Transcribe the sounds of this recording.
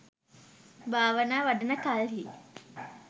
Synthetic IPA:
bʱaːʋənaːʋaɖənəkalɦi

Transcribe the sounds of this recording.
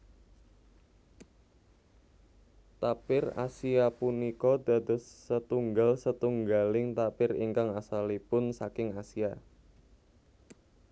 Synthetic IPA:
t̪apɪra̰siapunikɔd̪a̤d̪ə̤sːət̪uŋɡalsət̪uŋɡalɪŋt̪apɪrḭŋkaŋasalipʊnsakɪŋasia

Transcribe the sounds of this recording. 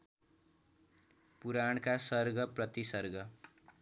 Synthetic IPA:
puɾaɳkasʌrɡʌprʌt̪isʌrɡʌ

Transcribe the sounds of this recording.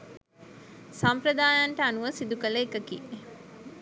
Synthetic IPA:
sampɾɐd̪aːjaɳʈəanuʋəsid̪ukɐləekɐkiː

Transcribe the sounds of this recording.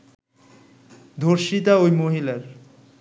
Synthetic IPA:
d̪ʱoɾʃit̪aojmoɦilaɾ

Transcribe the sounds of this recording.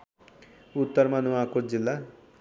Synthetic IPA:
ut̪ːəɾmanuʋakod͡ʒilːa

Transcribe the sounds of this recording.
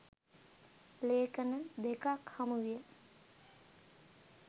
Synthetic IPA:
leːkənəd̪ekakhamuʋijə

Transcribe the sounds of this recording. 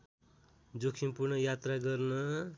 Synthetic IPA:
d͡zokʰinpurnʌjat̪raɡʌrnʌ

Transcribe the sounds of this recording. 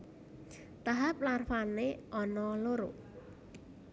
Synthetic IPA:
t̪aɦaplarfaneʔɔnɔloɾo̰

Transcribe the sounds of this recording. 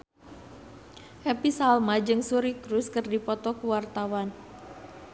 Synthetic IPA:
ʔɛpisalmad͡ʒɨŋsuɾikɾuskɨrdipɔt̪ɔkuwart̪awan

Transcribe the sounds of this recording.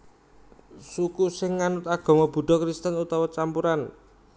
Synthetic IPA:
sukusɪŋːanʊt̪aɡ̥ɔ̤mɔb̥ṳɖɔkɾist̪ənut̪awɔt͡ʃampuɾan

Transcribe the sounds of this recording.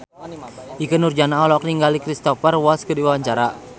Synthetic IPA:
ʔikənurd͡ʒanaɔlɔk̚niŋɡalikɾist̪ɔfərwɔlskədiwawaɲt͡ʃaɾa

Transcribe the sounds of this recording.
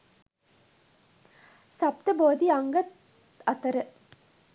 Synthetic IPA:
sap̚t̪əboːd̪iaŋɡət̪ | at̪əɾə

